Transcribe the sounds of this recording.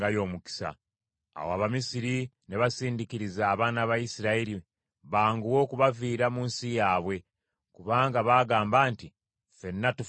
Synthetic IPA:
ɡajo̞ːmuki̥sa̰ː | wa̰βamisiɾineβasiːndikiɾizaːβaːnaβajisiɾaeɾi | βaːŋɡuwo̞ːkuβaviːɾamuːnsijaːβwe̞ | kuβaːŋɡaβaːɡaːmbaːnti | fe̞nːatuf

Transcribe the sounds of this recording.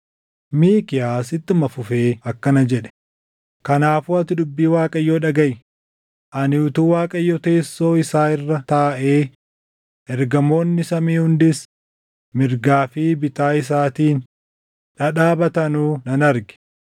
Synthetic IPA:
miːkɪjaːsɪt̪ːɪmɐfʊfeːɐkːɐnɐd͡ʒɛᶑɛ̥ | kɐnaːfuːɐt̪ɪd̪ʊbːiːwaːkʼɐjːoːᶑɐɡɐj | ʔɐnɪʊt̪uːwaːkʼɐjːɔt̪e̞ːsːo̞ːɪsaːɪrːɐt̪aːʔeː | ʔɛɾɡɐmo̞ːnːɪsɐmiːhʊnd̪ɪs | mɪɾɡaːfiːbɪt̪aːɪs̬aːt̪iːn | ᶑɐᶑaːbɐt̪ɐnuːnɐnɐɾɡɪ̥

